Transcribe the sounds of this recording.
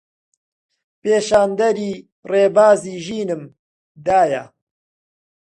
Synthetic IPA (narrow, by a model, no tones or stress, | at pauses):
peːʃaːnd̪ɐɾiː | reːbaːziːʒiːnɨm | d̪aːjɐ̰